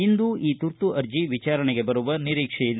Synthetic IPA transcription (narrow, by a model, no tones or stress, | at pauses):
ind̪uiːt̪uɾt̪uʔɐɾd͡ʒiʋit͡ʃaːɾɐɳeɡe̞bɐɾuʋɐniɾiːkʂɛjilː